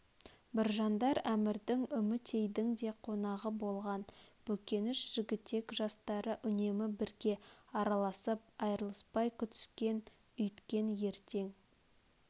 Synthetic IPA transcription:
bɪɾʒɑnd̪ɑɾæmɪɾd̪ɪŋʏmɪt̪ʰe̞jd̪ɪŋd̪e̞qʰo̞nɑʁəbo̞lˠʁɑnb̥ɵkʲe̞nɪʃʒ̥ɪɡʲɪt̪ːe̞kʒɑst̪ɑɾəʔʏne̞mɪbɪɾɡʲe̞ɑɾɑlˠɑsəp̚ɑjɾəlˠəspɑjkʲʰʏt̪ɪ̥skʲe̞n | ʏjt̪kʲe̞nje̞ɾt̪e̞ŋ

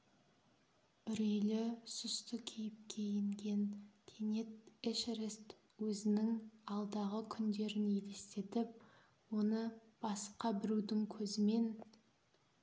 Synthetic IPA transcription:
ʏɾejlɪsʏst̪əkʲʰejɪp̚kʲʰe̞jeŋɡʲe̞nk̪ʲʰene̞t̪eʃɾest̪ | wɵzɪnɪŋɑlˠd̪ɑʁəkʲʰʏnd̪e̞ɾɪnele̞st̪e̞t̪ɪp̚ | wo̞nə | b̥ɑsə̥qɑbɪɾud̪ɪŋkʲʰɵzɪme̞n

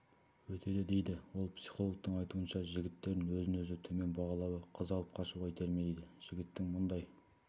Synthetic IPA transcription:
wɵt̪ʰe̞d̪ed̪e̞jd̪ɪwo̞lˠpsi̥χo̞lˠok̚t̪əɴɑjt̪uənʃɑʒɪɡʲɪt̪ːe̞ɾɪnwɵzɪnɵzɪt̪ʰɵme̞nbɑʁɑlˠɑwəqʰəzɑlˠəp̚qʰɑʃuʁɑjt̪ʰeɾmed̪ejd̪ɪʒ̥ɪɡʲɪt̪ːɪŋmʊnd̪ɑj

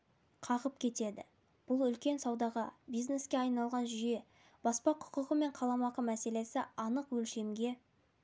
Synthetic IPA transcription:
qʰɑʁəp̚kʲʰe̞t̪e̞d̪ɪ̰ | b̥ʊlˠʏlkʲe̞nsɑwd̪ɑʁɑbijzne̞skʲe̞ɑjnɑlˠʁɑnʒʏje̞ | b̥ɑspɑqʰʊ̥qəʁəme̞ɴqʰɑlˠɑmɑqəmæse̞le̞sɪɑnəqwɵlʃe̞mɡʲe̞

